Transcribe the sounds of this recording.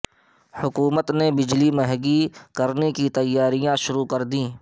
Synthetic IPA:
hʊkuːmət̪nebɪd͡ʒlimɐɦɡikɐɾnekit̪ɐjːaːɾijãʃʊɾukɐɾd̪ĩː

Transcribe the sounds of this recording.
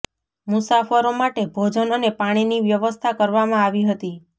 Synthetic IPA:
mʊsafəɾomaʈebʱod͡ʒənənepaɽ̃iniʋjəʋəst̪ʰakəɾʋamãaʋiɦət̪i

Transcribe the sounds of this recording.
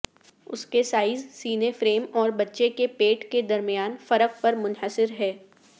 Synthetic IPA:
ʊ̰skesaːɪzsiːnefɾeːmɔːɾbɐtːʃekepeːʈked̪ɐɾmijaːnfɐɾəq̚pɐɾmʊnɦəsɪɾɦɛː

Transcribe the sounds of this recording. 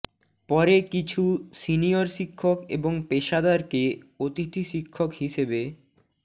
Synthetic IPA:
pɔɾekit͡ɕʰusinijoɾʃikʰːokḛboŋpeʃad̪aɾkeot̪it̪ʰiʃikʰːokɦiʃebe

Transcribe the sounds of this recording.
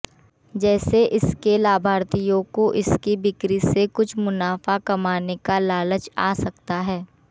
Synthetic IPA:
d͡ʒɛːseʔɪskelaːbʱaːɾt̪ijõkoʔɪskibɪkɾisekʊt͡ʃʰmʊnaːfakɐmaːnekalaːlət͡ʃa̰ːsɐkt̪aɦɛː

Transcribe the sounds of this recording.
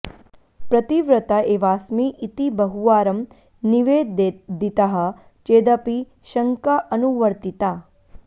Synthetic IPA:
pɾɐt̪iʋɾət̪aeːʋaːsmiʔit̪ibəɦuʋaːɾəm | niʋed̪d̪it̪aɦɐ̆ | t͡ʃeːd̪api | ʃɐŋkaʔənuʋəɾt̪it̪a

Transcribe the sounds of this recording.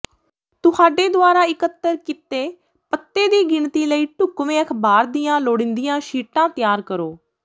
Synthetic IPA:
t̪ʊhaːɖeːd̪ʊaːɾaːɪkət̪ːəɾkɪt̪eː | pət̪ːeːd̪iːɡɪɳt̪iːləiːʈʊkʋẽːəkʰbaːɾd̪iːãːloːɽɪ̃nd̪ijãːʃiːʈãːt̪ɪjaːɾkəɾoː

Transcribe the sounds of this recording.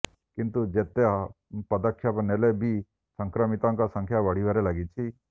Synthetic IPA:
kint̪ud͡ʒet̪e | pɐd̪akʰːjapnelebʱi | səŋkɾəmit̪ãŋkasə̃ŋkʰjaʋəɽ̤iʋaɾelaɡit͡ʃʰi

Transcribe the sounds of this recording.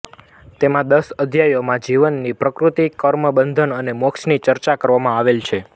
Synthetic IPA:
t̪emãd̪əsəd̪ʱjajomãd͡ʒiʋənːipɾəkɾut̪ikəɾməbənd̪ʱənənemokʃnit͡ʃəɾt͡ʃakəɾʋamãaʋelt͡ʃʰe

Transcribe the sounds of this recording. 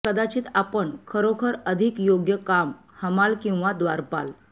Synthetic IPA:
kəd̪at͡ɕiːt̪apəɳkʰəɾokʰəɾəd̪ʱikjoɡjəkam | həmalkĩw̃ʋad̪ʋaɾpa̰l

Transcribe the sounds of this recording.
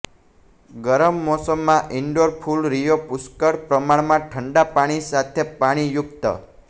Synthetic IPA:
ɡəɾəmːɔsəmːãʔɪɳɖoɾpʰulɾijopuskəɽpɾəmaɳmãʈʰəɳɖapaɽ̃isat̪ʰepaɽ̃ijʊkt̪ə̰

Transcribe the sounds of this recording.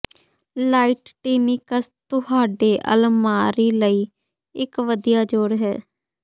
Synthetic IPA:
laːiːʈʈiːniːkəst̪ʊhaːɖeːʔə̰lmaːɾiːləiː | ɪkʋəd̪ijaːd͡ʒoːɽɦɛ̰ː

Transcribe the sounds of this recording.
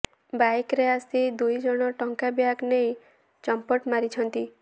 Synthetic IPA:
bajkɾeasid̪ujd͡ʒɔɽ̃ɔʈɔŋkabjaɡnej | t͡ʃɔmpɔʈmaɾit͡ʃʰɔnt̪i

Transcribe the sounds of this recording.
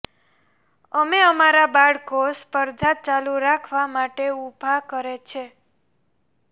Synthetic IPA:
əmeəmaɾabaɽkospəɾd̪ʱat͡ʃaluɾakʰʋamaʈeubʱakəɾet͡ʃʰe

